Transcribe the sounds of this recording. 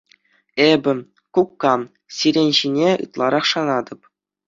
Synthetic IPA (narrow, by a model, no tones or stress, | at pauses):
ebʲɘ̆ | kukːɑm | sʲiɾʲenʲʑinʲeɯ̰t̪lˠɑɾʔɑχʂɑnɑd̪ɤ̆p